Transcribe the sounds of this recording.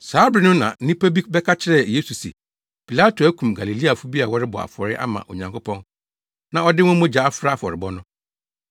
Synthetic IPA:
saː˨˦bɾɪ˨nʊ̃˦nã̰˨˦nĩ˦pʰa˦bi˦bɛ˦kʰa˦t͡ɕʰɪ˦ɾɛ˦˨je˦su˨sɛ̰˨ | pʰi˨la˦tʰo˨æ˦kʰũ˨mɡa˨li˨li˦a˨fʊ˦bi˦a˨wɔ˦ɾɪ˦bɔ̰˨a̰˨fɔ˨ɾɪ˦ʔa̰˦mã̰˨ʔo˨ɲã˨ŋkʰo˦pʰɔ̃˦n | nã˨ɔ˦dɪ˦wʊ̃˦mʊ̃˦d͡ʑa˨a˦fɾa˦˨fɔ˨ɾɪ˨bɔ˦nʊ̃˦

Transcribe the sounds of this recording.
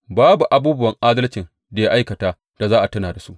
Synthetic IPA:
baː˦bu˨ʔa˨buː˦bʊ˦wɐ˨ŋʔaː˦dɐ˦lt͡ʃɪ˨n | da˨ja˦ʔa˦jkɐ˨taː˦ | d̥a˨zaː˦ʔa˨tɐ˦naː˨da˨sṵ˦ʔ

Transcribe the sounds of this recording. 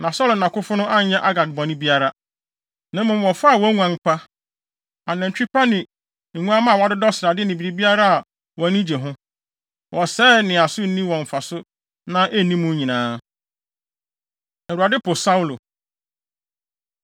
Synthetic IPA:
nã˨sɔ˦lnã˨kʊ˦fʊ˦nʊ̃˦ʔa˦ɲɛ̃˦ʔa˦ɡa˨t̚bɔ̃˨nɪ̃˦bi˦a˦ɾa˦ | nã˨mːʊ̃˨mwɔ˨fa˦a˨wɔ˦ŋũ˦ã˨˦ŋ̩˦k͡pa˦ | a˨nɛ̃˨n˨t͡ɕᶣi˦pa˦nɪ̃˨ | ŋũ˦ã˦mã˦˨wa˨˦dʊ˦dɔ˦sɾa˨dɪ˦nĩ˨bi˨ɾi˨bi˦a˦ɾa˦a˨ | wɔ˨˦nĩ˦d͡ʑe˨ɦʊ̃˦ | wʔɔ˨sɛː˦nɪ̃˨a˨sʊ˦n̩˦nĩ˦wɔ̃˨ɱ˨fa˨sʊ˦ | nã˦ʔe˦˨nĩ˦mũ˦ɲĩ˨nãː˨˦ | ɛ˨ɾu˨a˨dɪ˦pʰʊ˨sa˦wu˦lo˨

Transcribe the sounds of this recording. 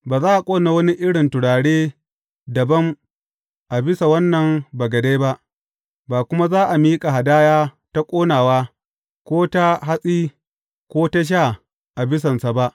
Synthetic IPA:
baː˨zaː˦ʔa˨kʷʼoː˦na˨wɐ˦ni˦ʔɪ˦ɽɪ˨ntʊ˨ɽaː˨ɽeː˦ | dɐ˨bɐ˦m | ʔa˨bɪ˦sa˨wɐ˦nːɐ˨mba˨ɡɐ˨de˦ba˦ʔ | baː˨kʷʊ˦ma˦zaː˦ʔa˨miː˦kʼa˨ɦa˨daː˦jaː˦ | ta˦kʷʼoː˦naː˨waː˦ | kʷoː˦ta˦ɦa˦sʼiː˦ | kʷoː˦ta˦ʃ̬a˦˨ | ʔa˨bɪ˦s̬ɐ˨nsa˨ba˦ʔ

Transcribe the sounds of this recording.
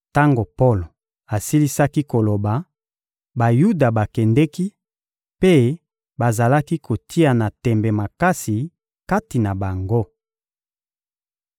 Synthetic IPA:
ta˦ŋɡo˨po˦lo˨ | a˨si˦li˦sa˦ki˦ko˨lo˨ba˨ | ba˨ju˦da˨ba˨kɛ˨ndɛ˦ki˦ | pe˦ | ba˨za˨la˦ki˦kʰo˨tʰi˦a˨na˨tɛ˨mbɛ˨ma˨ka˦si˨ | ka˦ti˨na˨ba˨ŋɡo˦

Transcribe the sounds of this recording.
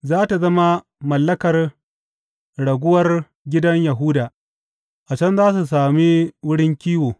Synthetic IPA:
zaː˦ta˨zɐ˦ma˦ | mɐ˨lːɐ˦kɐ˨r | ɽɐ˨ɡʷʊ˦wɐ˦r | ɡʲɪ˦dɐ˦ɲja˨ɦʊ˦daː˨ | ʔa˨t͡ʃɐ˦nzaː˦s̬u˨s̬aː˨mi˦wʊ˦ɽɪ˦ŋkʲiː˦woː˨

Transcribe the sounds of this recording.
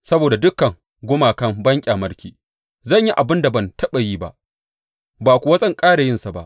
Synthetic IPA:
sɐ˦boː˨da˨dʊ˦kːɐ˨ŋ | ɡʷʊ˦maː˨kɐ˦mbɐ˦ŋkʲʼaː˨mɐ˦ɽkʲiː˨ | zɐ˦˨ɲji˦ʔa˨bɪ˦nda˨bɐ˨ntɐ˦ɓa˨jiː˦ba̰˦ʔ | baː˨kʷu˨wɐ˦zʼɐ˦ŋkʼaː˦ɽa˨jɪ˦nsa˨ba̰˦ʔ

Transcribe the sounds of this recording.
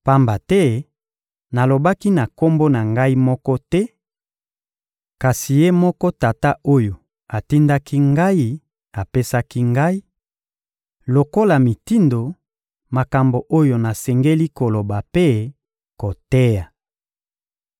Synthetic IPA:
pa˦mba˨tɛ˦ | na˨lo˨ba˦ki˦na˨ko˦mbo˦na˨ŋɡa˦i˦mɔ˦kɔ˦tɛ˦ | ka˨si˨je˦mɔ˦kɔ˦ta˨ta˦o˦jo˨ | a˨ti˦nda˦kʰi˦ŋɡa˦i˦ | a˨pe˦sa˦ki˦ŋɡa˦i˦ | lo˨ko˦la˨mi˨ti˦ndo˨ | ma˨ka˨mbo˨ʔo˦jo˨na˨sɛ˨ŋɡe˦li˦ko˨lo˨ba˨pe˦ | ko˨tɛ˦ja˨

